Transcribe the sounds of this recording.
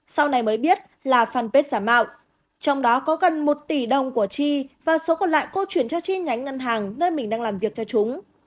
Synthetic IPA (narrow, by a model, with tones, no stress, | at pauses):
sa˧wna˨˩jməː˨˦jɓi˦˥ət̚ | laː˨˩faː˧npe˦˥t̚zaː˧˩ma̰ː˧˨w | t͡ɕɔ˧wŋ͡mɗɔ˨˦kɔ˨˦ɣə˨˩nmo˨˩t̚t̪i˧˩ɗə˨˩wŋ͡mku˧˩ət͡ɕi˧vaː˨˩so˨˦kɔ˨˩nla̰ː˧˨jko˧t͡ɕwi˧˩ənt͡ɕɔ˧t͡ɕi˧ɲa˨˦jŋŋə˧nɦaː˨˩ŋnəː˧jmï˨˩ŋ̟ɗaː˧ŋlaː˨˩mvi˨˩ək̚t͡ɕɔ˧t͡ɕʊ˨˦ŋ͡m